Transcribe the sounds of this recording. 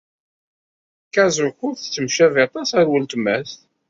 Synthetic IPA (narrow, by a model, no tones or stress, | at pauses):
kæzʊxʊfθt͡sːəmʃævɑt̪ˤɑsæɾwəlt̪mæsθ